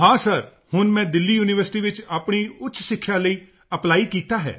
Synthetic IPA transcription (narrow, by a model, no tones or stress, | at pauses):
ɦãːsəɾ | hʊnmɛ̃ːd̪ɪlːiːjuːnɪʋəɾsɪ̥ʈiːʋɪt͡ʃaːpɳiːʊtːt͡ʃʰsɪkʰːjaːləiː | əplaːiːkiːt̪aːɦɛ̰ː